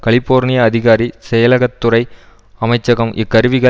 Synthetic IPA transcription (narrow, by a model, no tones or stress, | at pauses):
kɐɭɪpːoːɾnɪjɐɐðɪɣaːɾisɛjɐlɐɣɐt̪ːʊɾɐɪ | ɐmɐɪt͡ʃːɐɣɐmʔɪkːɐɾɯʋɪɣɐ